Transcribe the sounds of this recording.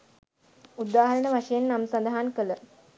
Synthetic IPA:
ud̪aːɦɐɾəɳəʋaʂɐjenːamsand̪aɦankələ

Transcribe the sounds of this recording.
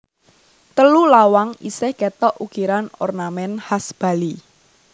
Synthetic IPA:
t̪əlulawaŋḭsɪhkɛt̪ɔʔukiɾanɔ̰rnamɛnhasb̥a̤li

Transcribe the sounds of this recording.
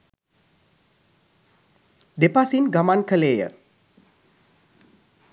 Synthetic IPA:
d̪epasinɡamankəleːjə̰

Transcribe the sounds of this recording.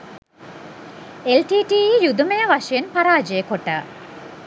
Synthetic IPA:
elʈiːʈiːjud̪umejɐʋɐʂɐjenpɐɾaːd͡ʒɐjəkoʈːə

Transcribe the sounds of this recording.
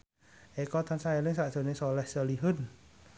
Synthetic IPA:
ʔekɔt̪ʰansaelɪŋsaʔd̥ʒ̥o̤nesɔlɛhsəliɦən

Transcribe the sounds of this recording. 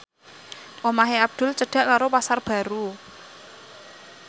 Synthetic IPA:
ʔomaɦeab̚d̪̥ʊ̤lt͡ʃəɖ̥a̤ʔkaɾopasarb̥ä̤ɾu

